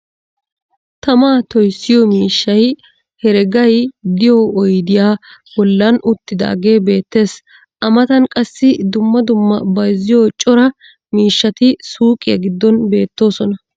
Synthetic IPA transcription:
t̪ɐmaːt̪ɔjsːɪjɔmiːʃːɐj | hɛɾɛɡɐjd̪ɪjɔɔjd̪ɪjaːbɔlːɐnʔʊt̪ːɪd̪a̰ːɡe̞ːbe̞ːt̪ːe̞ːs | ʔɐmɐt̪ɐnkʼɐsːɪd̪ʊmːɐd̪ʊmːɐbɐjzɪjot͡ʃʼɔɾɐ | miːʃːɐt̪ɪsuːkʼɪjɐ̰ɡɪd̪ːɔnbe̞ːt̪ːo̞ːsɔnɐ

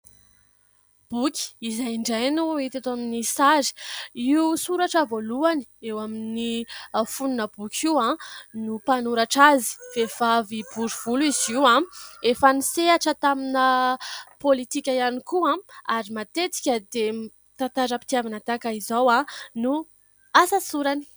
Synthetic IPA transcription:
b̥ukʲi̥izajɳɖ͡ʐajnuit̪et̪aminisaɾi̥iusuɾaʈ͡ʂəvoluani̥ewaminifununəbukʲʰiãnupanuɾaʈ͡ʂazi̥v̥ev̥avibuɾuv̥uliziwãefaniseaʈ͡ʂət̪aminəpolit̪ikʲajanikuãaɾimat̪et̪i̥kʲəd̪e | t̪ant̪aɾəpi̥t̪iavanat̪akaizawãnu | asasuɾani̥

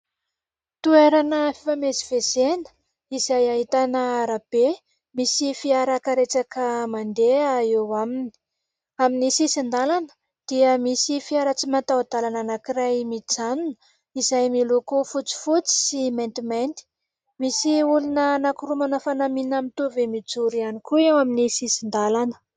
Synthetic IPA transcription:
t̪ueɾanəfifameziv̥ezenə̥ | izajaɦit̪anəaɾab̥e | misifiaɾakəɾeʈ͡ʂakəmand̪eaewamini̥ | aminisisind̪alanə̥ | d̪̥iəmisifiaɾət͡simat̪awad̪̥alananakirajmit͡sanunə | izajmilukufut͡si̥fut͡si̥simẽnt̪iment̪i̥ | misiulunənakuɾumanəfanaminamit̪uvimid͡zuɾianikuewaminisisind̪alanə̥

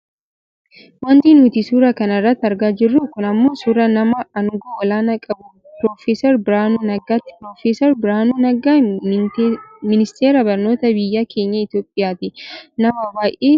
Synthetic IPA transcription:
wɐnd̪inuːt̪ɪsuːɾɐkɐnɐrːɐt̪ːɐɾɡaːd͡ʒɪrːuːkʊnɐmːo̞ːsuːɾɐnɐmɐːnʊɡoːwɐlaːnɐkʼɐbʊ | pɾo̞ːfeːsɔɾbɪɾaːnuːnɐɡaːt̪ːɪ̥pɾoːfeːsɔɾbɪɾaːnuːnɐɡaː | mɪnɪst̪ʰeːɾɐbɐɾno̞ːt̪ɐbɪjːakʰeːɲːɐɪt̪jo̞ːpʼːɪjaːt̪ɪnɐmɐbaːjʔeː

